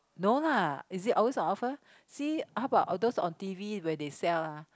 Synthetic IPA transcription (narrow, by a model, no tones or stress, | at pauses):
nolaisitʔɔlwesɔ̃nɔfə | sihaʊəbaʔdosɔ̰̃ntiviwɛdesɛlːa